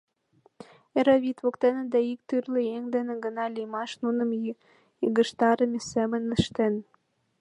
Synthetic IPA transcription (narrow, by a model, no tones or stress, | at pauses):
eɾoβit̪βokt̪enĕd̪eik̚t̪yrlejeŋd̪enĕɡə̆nɑlimɑʃnunə̆m | iɣə̆ʃt̪ɑɾəmisemənəʃt̪en